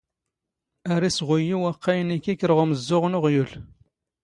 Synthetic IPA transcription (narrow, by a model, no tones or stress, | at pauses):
æɾisʁʊjiwæqʰːajənikːikːəɾʁʊməzːʊʁnʊʁjul